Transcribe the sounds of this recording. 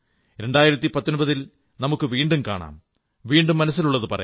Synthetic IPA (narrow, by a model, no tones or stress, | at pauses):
ɾe̞ɳɖaːjiɾɐt̪ːipɐt̪ːonbɐðil | nɐmukːɨʋiːɳɖumka̰ːɳa̰ːm | ʋiːɳɖumːɐnɐs̬ːiluɭːɐðɨpɐrɐ̰j